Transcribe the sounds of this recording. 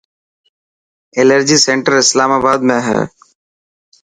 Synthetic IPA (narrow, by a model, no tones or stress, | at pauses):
eləɾd͡ʒiːsẽɳʈəɾɪslaːmaːbaːd̪mẽɦɛ̰ː